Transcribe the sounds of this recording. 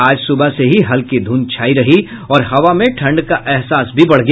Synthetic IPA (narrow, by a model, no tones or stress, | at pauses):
aːd͡ʒsʊbaseɦiɦɐlkid̪ʱuːnt͡ʃʰaːiɾɐɦi | ɔːɾhɐʋamẽʈʰɐ̃ɳɖkaʔɛɦsaːsbʱibɐɽ̤ɡɐ